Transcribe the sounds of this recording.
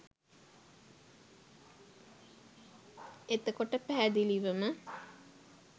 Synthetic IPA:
et̪əkoʈəpæɦæd̪iliʋəmə

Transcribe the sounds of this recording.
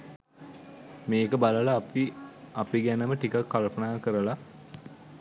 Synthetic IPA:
meːkəbaləlapiɐpiɡænəməʈikakːalpənaːkəɾəla

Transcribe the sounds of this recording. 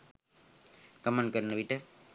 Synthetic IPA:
kɐmɐ̃ɳɖ̚kɐɾɯnːɐʋiʈːɐ

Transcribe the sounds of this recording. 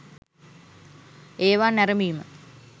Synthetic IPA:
eːʋaːnæɾəmiːmə

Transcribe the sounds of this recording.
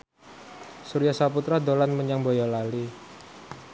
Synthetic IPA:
suɾijasaput̪ɾad̪olanməɲaŋbojɔlali

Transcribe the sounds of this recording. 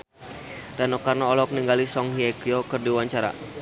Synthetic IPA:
danɔkarnoːlɔk̚niŋɡalisɔŋɦiɛɡiokɨrdiwaɲt͡ʃaɾa̰

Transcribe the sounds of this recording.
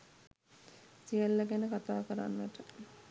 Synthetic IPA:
sijəlːaɡænəkat̪aːkəɾa̰nːəʈə

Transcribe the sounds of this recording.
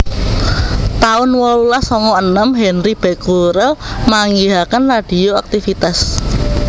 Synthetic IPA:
t̪aʊnwɔlulahsɔŋɔənəmɦɛnɾib̥ɛ̤kuɾəmaŋiɦakənrad̥i̤oak̚t̪ifit̪as

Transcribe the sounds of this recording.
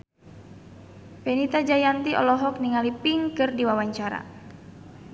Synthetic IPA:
pɛnit̪ad͡ʒajant̪iʔɔ̰lɔɦɔk̚niŋalipiŋkɨrdiwawaɲt͡ʃaɾa̰

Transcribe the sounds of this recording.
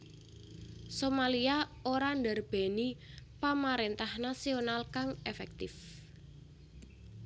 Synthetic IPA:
somaliaoɾaɳd̪arb̥e̤ni | pamaɾent̪ahnasionalkaŋefɛk̚t̪ɪf

